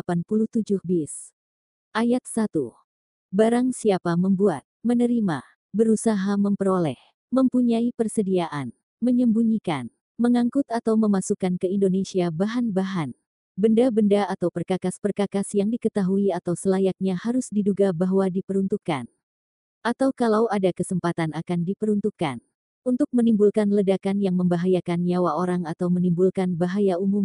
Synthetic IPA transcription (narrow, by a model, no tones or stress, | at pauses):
panpuluht̪ud͡ʒʊhbis | ʔajat̪̚sat̪u | baɾaŋsiapaməmbua̰t̪̚mənəɾima | bəɾusaɦaməmpəɾolɛ̰h | məmpuɲaipərsədiaʔan | məɲəmbuɲikan | məŋaŋkʊt̪at̪awməmasukankəindonesiabaɦanbaɦan | bəndabəndaat̪awpərkakaspərkakasjaŋdikət̪aɦuiat̪awsəlajak̚ɲahaɾʊsdiduɡabaɦwadipəɾunt̪ukːa̰n | ʔat̪awkalawadakəsəmpat̪anakandipəɾunt̪ukːa̰n | unt̪ʊk̚mənimbulkanlədakanjaŋməmbaɦajakanɲawaoɾaŋat̪awmənimbulkanbaɦajaumum